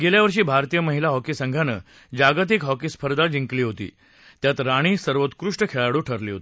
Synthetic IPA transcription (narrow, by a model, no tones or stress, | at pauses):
ɡeljaʋəɾʂ̬iːbʱaɾt̪ijəməɦilaɦɔkisəŋɡʱanə̰ː | d͡ʑaɡt̪ikɦɔkiːspʰəɾd̪ad͡ʑiŋkliːɦot̪ḭː | t̪jat̪ɾaɽ̃iːsəɾʋot̪kɾuʂʈəkʰeɭaɽuːʈʰəɾliːɦo̰t̪i